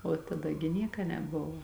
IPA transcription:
oː tɐˈdɐ ɡʲɪ ˈnʲiɛkɐ nʲɛˈbʊʋoː

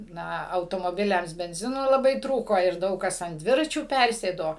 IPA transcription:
ˈnɐ ɐʊtoːmoːˈbʲɪlʲɛms bʲɛnʲˈzʲɪnoː lˠɐˈbɐɪ ˈtruːkoː ɪr ˈdɐʊk kɐs ɐnt ˈdʲʋʲɪrɐt͡ʃʲuː ˈpʲærʲsʲeːdoː

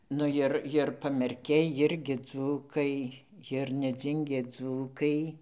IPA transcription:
ˈnʊ ˈjɪr ˈjɪr ɪr pɐmʲɛrʲˈkʲɛɪ ˈjɪrʲɡʲɪ ˈd͡zuːkɐɪ jɪr nʲɛˈd͡zʲɪŋʲɡʲeː ˈd͡zuːkɐɪ

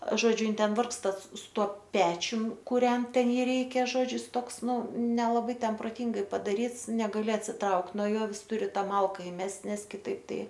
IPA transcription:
ˈʒoːd͡ʒʲʊ ˈɪn ˈtʲɛn ˈʋɐrkstɐ sʊ ˈtuɔ ˈpʲæːt͡ʃʲʊm kʊˈrʲɛnt ˈtʲɛn ˈjiː ˈrʲɛɪkʲɛ ˈʒoːd͡ʒʲʊ jɪs ˈtoːks ˈnʊ nʲɛlˠɐˈbɐɪ ˈtʲɛn proːˈtʲɪŋɡɐɪ pɐdɐˈrʲiːts nʲɛɡɐˈlʲɪ ɐtʲsʲɪˈtrɐʊkt nuɔ ˈjoː ˈʋʲɪs ˈtʊrʲɪ ˈtɑː ˈmɐlˠkɐ ɪˈmʲɛsʲtʲ ˈnʲɛs kʲɪˈtɐɪp ˈtɐɪ

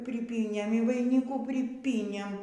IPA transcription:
pʲrʲɪˈpʲiːnʲeːm iː ʋɐɪˈnʲɪkuː pʲrʲɪˈpʲiːnʲeːm

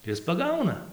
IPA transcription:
ˈɪs pɐˈɡɐʊnɐ

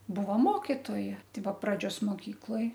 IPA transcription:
ˈbʊʋoː ˈmoːkʲɪtoːjɛ ˈtɐɪ ˈbuɔ prɐˈd͡ʒʲoːs moːˈkʲiːklˠoːj

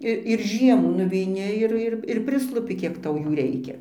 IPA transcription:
ˈɪr ɪr ˈʒʲiɛmuː nʊʋʲɛɪˈnʲɪ ɪr ˈɪr ɪr ɪr ˈpʲrʲɪslˠʊpʲɪ ˈkʲiɛk ˈtɐʊ ˈjuː ˈrʲɛɪkʲɛ

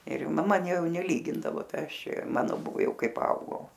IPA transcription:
ɪr mɐˈmɐ ˈjɛʊ nʲɛˈlʲiːɡʲɪndɐʋoː ˈtɐɪ ˈɐʃ ˈt͡ʃʲɛ ˈjɛʊ ˈmɑːnoː ˈbʊʋoː ˈjɛʊ ˈkɐɪ pɐˈɐʊɡɐʊ

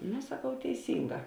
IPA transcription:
noː sɐˈkɐʊ tʲɛɪˈsʲiːŋˌɡɑː

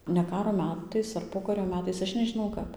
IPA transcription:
nʲɛ ˈkɑːroː ˈmʲæːtɐɪs ɐr ˈpoːkɐrʲoː ˈmʲæːtɐɪs ˈɐʃ nʲɛʒʲɪˈnɐʊ ˈkɐp

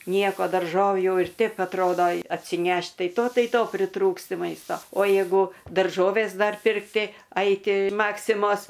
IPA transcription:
ˈnʲiɛkoː dɐrˈʒoːʋʲuː jɛʊ ɪr ˈtʲɛɪp ɐtˈroːdoː ɐtʲsʲɪˈnʲɛʃt ˈtɐɪ toː ˈtɐɪ ˈtoː pʲrʲɪˈtruːksʲtʲɪ ˈmɐɪstoː oː ˈjeːɡʊ dɐrˈʒoːʋʲeːs ˈdɐr pʲɪrkˈtʲɪ ˈɐɪtʲɪ ˈmɑːksʲɪmoːs

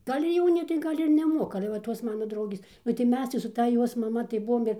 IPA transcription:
ˈɡɐlʲ ɪr ˈjɛʊnʲɪ tɐɪ ˈɡɐlʲ ɪr nʲɛˈmoːkɐmɐ ɐlʲɛ ʋɐ ˈtoːs ˈmɑːnɐ ˈdrɐʊɡʲeːs nʊ tɐɪ ˈmʲɛs tɐɪ sʊ ˈtɐ ˈjoːs mɐˈmɐ tɐɪ ˈbʊʋoːm ɪr

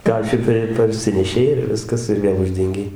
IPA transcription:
ˈkɑːʃʲɪkɑː ɪr pɐrʲˈsʲɪnʲɛʃʲɛɪ ɪr ˈʋʲɪskɐs ɪr ˈʋʲeːlˠ ˈʊʒʲdʲɛŋʲɡʲɛɪ

